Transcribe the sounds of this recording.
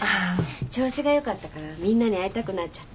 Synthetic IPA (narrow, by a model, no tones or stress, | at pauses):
at͡ɕo̞ːɕiɡajo̞kat̪ːakaɾamʲĩnːaɲ̟iait̪akɯ̟nat͡ɕḁt̪ː